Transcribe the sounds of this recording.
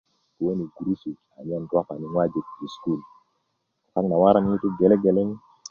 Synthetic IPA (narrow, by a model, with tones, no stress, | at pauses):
tu˨wo˦ni˨ɡu˨ɾu˦si˨ka˨ɲa˦nda˦ka˨ni˨ŋwa˦d͡ʒi˨kd͡ʒi˨sku˦˨l | ta˦ŋna˨wa˦ɾa˦ŋni˦tu˦ɡe˨lɛ˦ɡe˨le˦ŋ˦